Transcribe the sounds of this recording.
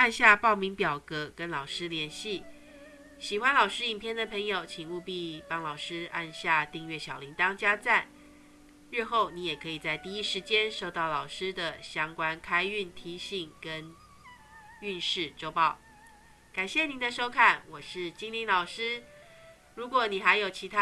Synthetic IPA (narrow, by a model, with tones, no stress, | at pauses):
a˥˧nɕja˥˧pɑ˥˩ʊmi˧˥ŋpjɑ˨˩ʊkɤ˧˦kə˦nlɑ˨˩ʊʂɻ̩˥ljɛ˧˥nɕi˥˩ | ɕi˨˩xwa˦˥nlɑ˨˩ʊʂɻ̩˥i˨˩ŋpʰjɛ˥˩nd̪ə˨pʰɤ˧˥ŋjo˨˩ʊt͡ɕʰi˨˩ŋu˥˧pi˥˧pɑ˥ŋlɑ˨˩ʊʂɻ̩˥ʔa̰˥˧nɕja˥˧t̪i˥˧ŋɥɛ˥˩ɕjɑ˨˩ʊli˧˥ŋt̪ɑ˥ŋt͡ɕja˥t͡sa˥˩n | ɻ̩˥˧xo˥˩ʊni˧˥jɛ˨˩kʰɤ˧˥i˨˩t͡sa˥˧ɪt̪i˥˧i˦˥ʂɻ̩˧˥t͡ɕjɛ˥nʂo˥˧ʊt̪ɑ˥˩ʊlɑ˨˩ʊʂɻ̩˥d̪ə˨ɕjɑ˥ŋkwa˥nkʰa˥ɪy˥˩nt̪ʰi˧˥ɕi˨˩˦ŋkə˦˥n | y˥˧nʂɻ̩˥˩ʈ͡ʂo˥ʊpɑ˥˩ʊ | ka˨˩nɕjɛ˥˩ni˧˥˦nd̪ə˧ʂo˥ʊkʰa˥˩nwɔ˨˩ʂɻ̩˥˩t͡ɕi˥ŋli˧˥nlɑ˨˩ʊʂɻ̩˥ | ɻu˧˥kwɔ˧˩˦ni˨˩xa˧˥ɪjo˨ʊt͡ɕʰi˧˥t̪ʰa˥